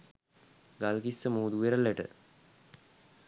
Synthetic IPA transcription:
ɡalkisːəmoːd̪uʋeɾəlːəʈə̰

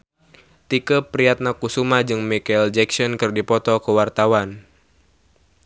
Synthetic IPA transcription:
t̪ikəpɾiat̪̚nakusumad͡ʒɨŋmikald͡ʒɛksɔnkɨrdipɔt̪ɔkəwart̪awan

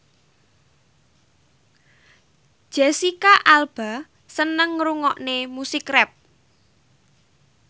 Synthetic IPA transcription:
ʒ̥ɛsikaʔalb̥a̤ | sənəŋɾuŋɔʔnemusɪkrɛp̚

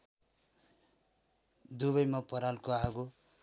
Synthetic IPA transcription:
d̪uβʌjmʌpʌɾalkoaɡo

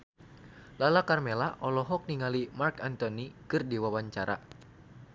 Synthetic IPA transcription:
lalakarmelaʔɔlɔɦɔk̚niŋalimarkant̪ɔnikɨrdiwawaɲt͡ʃaɾa̰

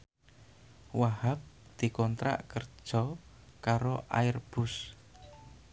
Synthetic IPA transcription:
wahap̚d̪̥i̤kɔnt̪ɾa̰ʔkərd̥ʒ̥ɔ | kaɾoʔa̰ɪrb̥ʊs

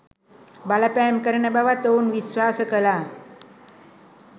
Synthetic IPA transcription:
balapamkəɾnebaʋat̪ounʋiswaːsəkəla

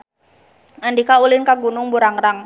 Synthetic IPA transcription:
andikaulɪnkaɡunʊŋbuɾaŋɾaŋ

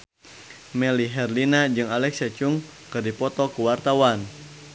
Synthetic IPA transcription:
mɛliɦɛrlinad͡ʒɨŋalɛksat͡ʃuŋ | kɨrdipɔt̪ɔkuwart̪awan

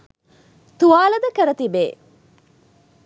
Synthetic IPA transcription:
t̪uʋaːlɐd̪əkəɾɐt̪ibeː

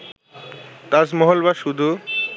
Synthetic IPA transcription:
t̪asmoɦolbaʃud̪ʱu

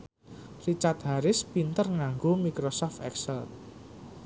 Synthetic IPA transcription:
rit͡ʃat̪̚ɦaɾɪspint̪ərŋaŋɡomikɾosɔft̪ɛ̰ksɛl

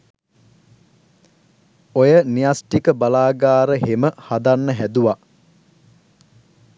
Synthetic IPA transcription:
ojənijasʈikəbalaːɡaːɾəɦeməhad̪anːəɦæd̪uʋa

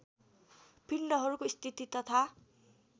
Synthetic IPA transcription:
pinːʌɦʌɾukoist̪ʰit̪it̪ʌt̪ʰa

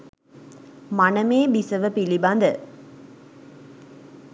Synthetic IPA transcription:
manəmeːbisəʋəpiliband̪ə

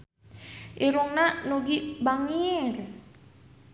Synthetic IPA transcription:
ʔiɾuŋnanoɡibaŋir

